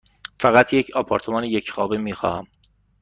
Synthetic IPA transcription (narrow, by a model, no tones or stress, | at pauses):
fæɣæt̪ʰjecʰɒpʰɒːɾt̪ʰomɒːnejecʰχɒːbemiːxɒ̰ːhæm